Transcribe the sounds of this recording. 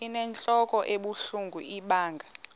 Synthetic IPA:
inɛnt͡ɬʼɔkʼɔʔeɓuɬuŋɡʱṵʔiɓaːŋʱa

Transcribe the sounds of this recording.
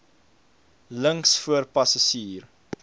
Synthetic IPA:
ləŋksfuərpɐsɐʃiːr

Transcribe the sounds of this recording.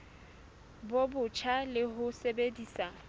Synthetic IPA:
bobʊt͡ʃʰalɪɦʊsebediːsa

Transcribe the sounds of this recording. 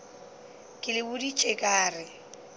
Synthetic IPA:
kʼɪlɪbʊdit͡ʃʼekʼaːrɪ

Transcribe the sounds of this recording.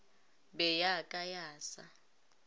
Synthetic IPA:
bɛjakʼajaːsa̰

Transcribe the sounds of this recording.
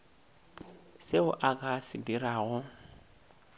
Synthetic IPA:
seʊʔakʼasɪdiɾaːɣʊ

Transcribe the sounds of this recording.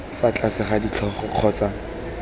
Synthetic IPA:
fat͡ɬʼasɪχadit͡ɬʰɔχɔq͡χʰɔːt͡sa

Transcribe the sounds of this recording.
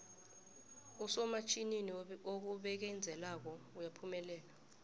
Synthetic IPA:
usɔmat͡ʃʰʼininok̬uɓɛk̬ɛnd͡zʱɛlak̬ɔujapʰumɛlɛːla

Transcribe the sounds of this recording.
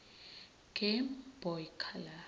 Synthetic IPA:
ɡ̥ɛmbɔjkʰala

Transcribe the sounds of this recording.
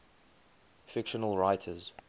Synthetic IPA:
fɪkʃənəlˠɹaɪtʰəz̥

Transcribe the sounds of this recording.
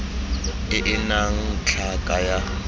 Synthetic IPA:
ɪʔɪnaŋ̩t͡ɬʰakʼaja

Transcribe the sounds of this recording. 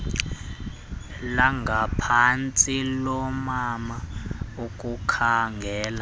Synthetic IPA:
laŋɡʱapʰant͡sʼilɔmamaukʼukʰaŋɡʱɛːla

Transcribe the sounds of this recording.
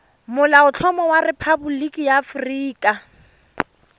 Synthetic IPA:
mʊlaʊt͡ɬʰɔmɔwarepʰabulikʼijaːfriːkʼa

